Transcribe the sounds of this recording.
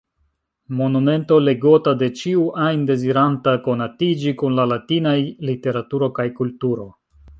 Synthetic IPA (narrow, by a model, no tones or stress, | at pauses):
mo̞nume̞nto̞le̞ɡo̞tade̞t͡ʃiuʔajnde̞ziɾantako̞natid͡ʒikunlalatinajlite̞ɾatuɾo̞kajkultuɾo̞